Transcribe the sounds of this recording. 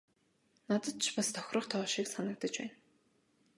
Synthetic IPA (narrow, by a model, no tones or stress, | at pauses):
nat̪ə̆t̪t͡ɕʰpast̪ʰɔ̥xʲrə̆χt̪ʰɔːʃiksanə̆k̚t̪ə̆t͡ɕpæ̰ːn